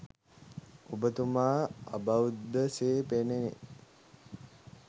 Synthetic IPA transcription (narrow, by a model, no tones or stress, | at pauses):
obət̪umaːɐ̰bawd̪əseːpenenḛ